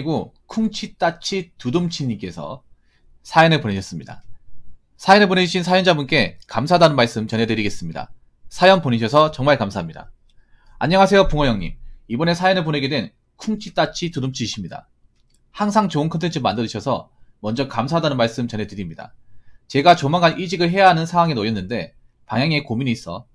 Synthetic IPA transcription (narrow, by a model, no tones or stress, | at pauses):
ɡokʰuŋt͡ɕʰit͈at͡ɕʰitudɯmt͡ɕʰiɲːik͈e̞sʰʌ̰ | sʰainɯɭponeɕʰʌs͈ɯmɲida̰ | sʰaenɯɭponed͡ʑuɕʰinsʰajʌnd͡ʑabunk͈e̞kams̬ʰadanɯnmaɭs͈ɯmt͡ɕʌne̞dɯɾiɡe̞s͈ɯmɲida̰ | sʰajʌnponeɕ̬ʰʌs̬ʰʌt͡ɕʌŋmaɭkamsʰaɦamɲida̰ | a̰ɲːʌŋas̬ʰe̞jopuŋʌjʌŋɲḭmibʌne̞sʰajʌnɯɭpone̞ɡe̞dwe̞n | kʰuŋt͡ɕʰit͈at͡ɕʰitudɯmt͡ɕʰiɕʰimɲida̰ | haŋsʰaŋt͡ɕoɯnkʰʌntʰe̞nt͡ɕʰɯmandɯɾɯɕʰʌsʰʌ̰mʌnd͡ʑʌkamsʰaɦdanɯnmaɭs͈ɯmt͡ɕʌne̞dɯɾimɲida̰t͡ɕe̞ɡat͡ɕomaŋɡanʔid͡ʑiɡɯɭɦe̞jaɦanɯnsʰaŋwaŋenojʌnːɯnde̞ | paŋjaŋekomiɲiːs͈ʌ